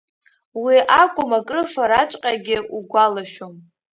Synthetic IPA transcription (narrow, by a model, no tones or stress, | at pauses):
wiʔakʷʼʊmakʼrɨfaɾat͡ʃʷʼqʲʼaɡʲɪuɡʷalaʃom